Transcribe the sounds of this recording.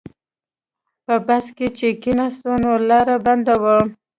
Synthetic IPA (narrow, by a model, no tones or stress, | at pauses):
pəbasket͡ʃekinast̪onolɑɾaband̪awə